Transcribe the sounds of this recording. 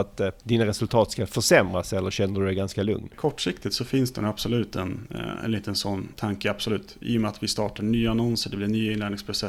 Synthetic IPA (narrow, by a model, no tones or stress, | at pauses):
at̪d̪inaɾɛsɵlt̪ʰɑːt̪skafœʂɛmɾasɛlːəɾɕɛnːəɖɵd̪ɛɡanskalɵ̰ŋnkʰɔʈːʂɪkt̪ɪt̪sɔfɪnsd̪ɛnabsɔlʉ̟ːt̪ɛnɛ̰nliːt̪ənsɔnːt̪ʰaŋkəabsɔlʉ̟ːt̪ʔḭːʊmɛat̪vɪst̪ɑːʈaɳyːaanɔnsəɖɛblɪɳyːaɪnɛːɖ̪nɪŋspʰɾʊsɛ